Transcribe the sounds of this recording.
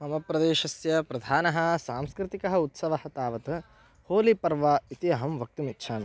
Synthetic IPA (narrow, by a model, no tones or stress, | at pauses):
ɐmɐpɾɐd̪eːʃɐsjɐpɾɐd̪ʱaːnɐɦɐ̆saːmskɾɪt̪ikɐɦɐ̆ut̪sɐʋɐhɐt̪aːʋɐt̪ɐ | hoːlipɐɾʋaːit̪iɐɦɐmʋɐk̚t̪umit̪ːʃʰaːnɐ